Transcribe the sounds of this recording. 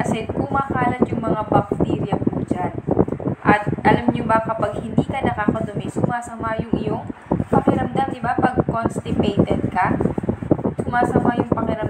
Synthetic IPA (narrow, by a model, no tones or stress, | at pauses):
kɐsɛkʊmaːkaːlɐt̪jʊŋmɐŋabɐk̚t̪iːɾjɐpuːd͡ʒanʔɐt̪̚ʔɐlamɲobɐkɐpɐɡ̚hɪnd̪iːkɐnɐkaːkɐd̪ʊmɛsʊmaːsɐmajʊŋʔɪjoŋpɐŋɪɾɐmd̪amd̪ɪbapɐɡkonst̪ɪpɛjt̪ɛd̪̚kɐ | sʊmaːsɐmajʊŋpɐkɪɾɐm